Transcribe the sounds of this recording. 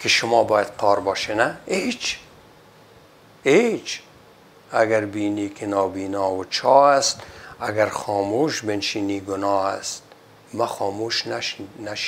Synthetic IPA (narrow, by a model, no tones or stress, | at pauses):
kʰɪʃʊmɔbɔːjad̪qʰɔːɾbɔʃenaet͡ʃ | et͡ʃ | aɡaɾbiːniːkʰɪnɔːbiːnɔːwʊt͡ʃʰɔast̪aɡaɾxɔːmuʃbenʃiːniːɡʊnɔːast̪̚ | maxɔːmuʃnnaʃ